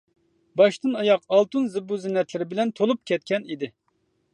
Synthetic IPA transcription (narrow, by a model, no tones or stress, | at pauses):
bɑʃt̪ɨnɑjɑqɑlˠt̪unzɨbuzɪnɛt̪lɪɾɪbɪlɛnt̪ʰolˠup̚kʲʰɛt̪̚kʲɛnid̪ɪ